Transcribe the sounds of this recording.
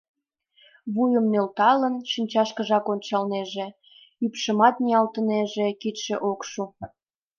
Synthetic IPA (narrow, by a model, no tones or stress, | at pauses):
βujəmnølt̪ɑlənʃinʲt͡ɕɑʃkəʒɑkonʲt͡ɕɑlneʒĕ | ypʃəmɑt̪niɑlt̪əneʒekit̪ʃĕʔokʃu